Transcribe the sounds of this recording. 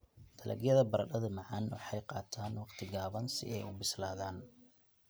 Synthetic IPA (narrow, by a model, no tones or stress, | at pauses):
t̪ʰɐlʔɐ̰ɡjɐðɐbɐɾɐɗɐðɐmɑʕɑnwɑħɑjqɑːt̪ʰaːnwɑqt̪ʰɪɡaːβɐnsɪ̰ʔɛjʊbɪslaːðaːn